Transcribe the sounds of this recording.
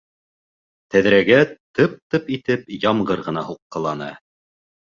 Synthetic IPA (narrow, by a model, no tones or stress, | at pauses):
t̪æðɾæɡæt̪ɤp̚t̪ɤpit̪ɘpjɑmɢɤɾʁɤ̆nɑhuqːɤ̆lˠɑnɤ̰